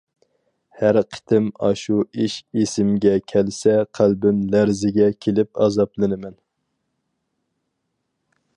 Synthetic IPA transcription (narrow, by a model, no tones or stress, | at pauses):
hæɾqʰə̥t̪ʰɪmɑ̰ʃuiʃesɪmɡʲɛkʲʰɛlsɛqʰælbɪmlæɾzɪɡʲɛkʲʰelɪpɑzɑplˠɨnɨmɛn